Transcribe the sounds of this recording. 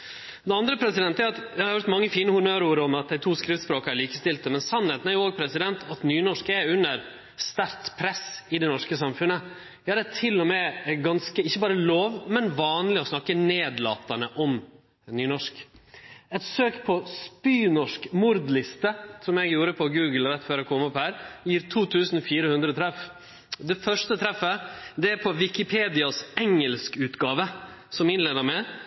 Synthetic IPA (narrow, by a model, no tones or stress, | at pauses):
d̪ɛɑnd̪ɾəpʰɾɛsɪd̪ɛnt̪æɾɑt̪d̪ɛhɑɾʋæɾt̪mɑŋːəfiːnəhʊmøːɾuːɾəɔmɑt̪̚d̪æɪt̪ʰuːskɾɪʋspɾoːkæɾɭiːkəst̪ɪlt̪əmɛnsɑnːheːt̪næɾjʊoːɡ̚pʰɾɛsɪd̪ɛnt̪ʰɑt̪nyːnɔʂkɛʉnːəɾ | st̪æɾt̪pʰɾɛsɪd̪ɛnɔʂkəsɑmfʉnːə | jɑɾɛt̪ʰɪlːɔmɛɡɑnskəɪçːəbɑːɾəloːʋmɛnʋɑːnlɪɔsnɑkːəneːd̪lɑ̰ːt̪ɑnəʔɔm | nyːnɔʂk | ɛt̪søːkpʰɔspyːnɔʂkmʊɾd̪lɪst̪əsɔmjɛɡjuːɾəpʰɔɡʉːɡəlɾɛt̪ːføːɾɔkʰɔmːɔphæːɾjiːɾt̪ʰuːt̪ʰʉːsn̩fiːɾəhʉnd̪ɾɔt̪ʰɾɛf | d̪ɛfœʂʈət̪ʰɾɛfːəd̪ɛæɾpʰɔʋɪkɪpʰeːd̪ɪɑsɛŋəlskʉːt̪ɡɑːʋə | sɔmɪnleːnəɾmɛ